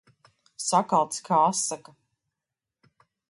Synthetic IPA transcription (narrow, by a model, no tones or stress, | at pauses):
sakalˠt̪skʰaasːaka